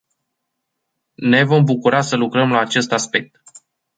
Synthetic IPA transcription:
ne̞vo̞mbukuɾasəlukɾəmlaːt͡ʃe̞st̪aspe̞k̚t̪

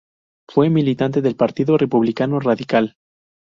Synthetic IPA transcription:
fwe̞milit̪ant̪e̞ðe̞lpaɾt̪iðo̞re̞puβlikano̞raðikal

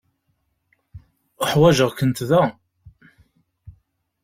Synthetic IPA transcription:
əħwæʒəʁkənt̪ðæ

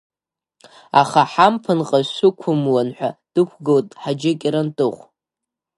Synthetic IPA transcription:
a̰χaħampʰɨnqʼaʃʷʊkʷʰʊmwanħʷᶣad̥ɨkʷʰɡowtʼħad͡ʒɪkʲʼiɾantʼɨχʷ

